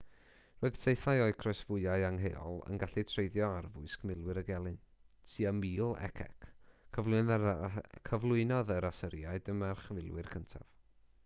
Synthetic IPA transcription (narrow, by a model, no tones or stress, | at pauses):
roɨð̥sejθaɨɔɨkʰrɔɨsv̥ʊɨaɨaŋɦeɔ̰lˠə̰nɡaɬitʰrejðjɔarvʊɨskmɪlˠwɨɾəɡɛlˠɨn | siːamiːlˠɛ̰kʰɛ̰kʰːəvlˠʊn | kʰəvlˠʊɨnɔðəɾasəɾjaɨdəmarχvɪlˠwɨrkʰəntʰa̰v̥